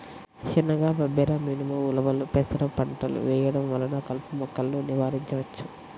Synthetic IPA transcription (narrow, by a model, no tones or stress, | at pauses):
t͡ʃinːɐɡaːbɐbɛɾɐmiːnimɐulɐʋɐlupɛːsɐɾɐpɐɳʈɐlṵʋɛːjɐɽɐmʋɐlːɐnɐkɐlpumɔkːɐlːuniʋaːɾiɲt͡ʃɐʋɐt͡ʃːu̥